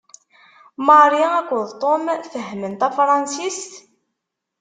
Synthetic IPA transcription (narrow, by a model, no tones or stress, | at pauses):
mɑɾˤiækʷːəðt̪ˤomfəɦmənt̪æfɾˤɑnsist̪